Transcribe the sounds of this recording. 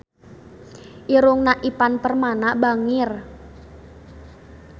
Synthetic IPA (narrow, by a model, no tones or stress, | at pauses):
ʔiɾʊŋnaʔipanpərmanabaŋɪr